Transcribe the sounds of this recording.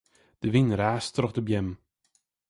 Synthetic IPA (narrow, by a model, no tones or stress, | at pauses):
d̪̥əvɪnəɾaːst̪əɾɔχd̪əbjɛm